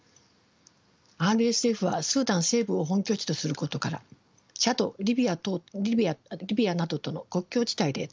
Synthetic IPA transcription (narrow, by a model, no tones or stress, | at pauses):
aːɾɯ̟e̞sɨe̞ɸɯ̟βa̰sɨːd̪ãñse̞ːbɯ̟o̞ɦõ̞ŋkʲo̞ːt͡ɕi̥t̪o̞sɨɾɯ̟ko̞t̪o̞kaɾa̰ | t͡ɕat̪o̞ɾʲibʲi | ɾʲibʲianad̪o̞t̪o̞no̞ko̞kʲːo̞ːd͡ʑi̥t̪aid̪e̞